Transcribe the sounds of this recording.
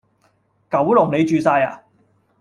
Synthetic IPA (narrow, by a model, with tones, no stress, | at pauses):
kɐ˨˥wlʊ˨˩ŋne˨˧jt͡ʃyː˨˧saː˧ja̰ː˨